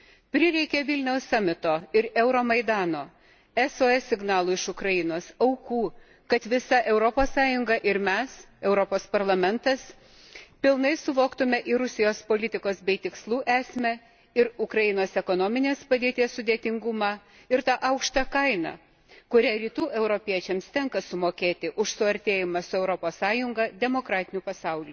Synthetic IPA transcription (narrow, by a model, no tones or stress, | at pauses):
pʲɾʲɪɾʲɛɪkʲɛʋʲɪlʲnʲɛʊsːɑːmʲɪt̪oːɪɾɛʊɾoːmɐɪd̪ɑːnoː | ɛsoːɛsʲɪɡnɑːlˠʊːɪʃʊkɾɐjɪnoːsɐʊkuː | kɐt̪ʋʲɪsɐʔɛʊɾɔpoːssɑːjʊŋɡɐʔɪɾmʲɛs | ɛʊɾɔpoːspɐɾlˠɐmʲɛnt̪ɐs | pʲɪlˠnɐɪsʊʋoːkt̪ʊmʲɛʔiɾʊsʲɪjoːspoːlʲɪt̪ʲɪkoːsbʲɛɪt̪ʲɪkslˠuːʔæːsʲmʲɛ | ɪɾʊkɾɐjɪnoːsɛkoːnoːmʲɪnʲeːspɐd̪ʲeːt̪ʲiɛssʊd̪ʲeːt̪ʲɪŋɡʊmɑ | ɪɾt̪ɑʔɐʊkʃt̪ɐkɐɪnɐ̰ | kʊɾʲæːɾʲiːt̪uːʔɛʊɾopʲiɛt͡ʃʲɛmst̪ʲɛŋkɐsʊmoːkʲeːt̪ʲɪʔʊʃsʊɐɾʲt̪ʲeːjɪmɐsʊɛʊɾopoːssɑːjʊŋɡɐd̪ʲɛmoːkɾɑːt̪ʲɪnʲuːpɐsɐʊlʲuː